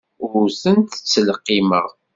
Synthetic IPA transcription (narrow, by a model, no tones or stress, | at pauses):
ʊɾθənt̪ə̥t͡sːəlqːiməʁ